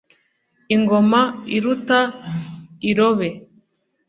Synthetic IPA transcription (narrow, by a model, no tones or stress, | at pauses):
iŋɡomaiɾuta | iɾoβe